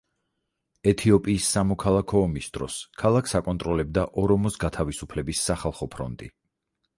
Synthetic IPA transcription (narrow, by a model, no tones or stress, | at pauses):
ɛt̪ʰiɔpʼiːsːamɔkʰalˠakʰɔːmisd̪ɾɔ̰skʰalˠakʰsakʼɔnt̪ʼɾɔlɛb̚d̪aʔɔɾɔmɔsɡat̪ʰavisupʰlɛbisːaχalˠχɔpʰɾɔ̰nt̪ʼḭ